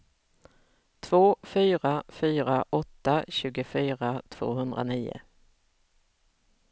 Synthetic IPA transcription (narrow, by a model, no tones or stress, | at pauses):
t̪ʰv̥oːfyːɾafyːɾaʔɔt̪ːaɕʉ̟ːɡəfyːɾat̪ʰv̥o̰ːhɵnd̪ɾa̰niːʊ̰